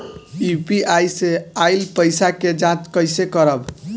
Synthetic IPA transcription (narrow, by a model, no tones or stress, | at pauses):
upiajseajlpəjsaked͡ʒãt͡ʃkəjsekəɾəb